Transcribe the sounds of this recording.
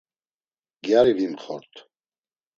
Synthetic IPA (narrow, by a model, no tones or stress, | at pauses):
ɡjaɾivimχɔ̰ɾt̪ʰ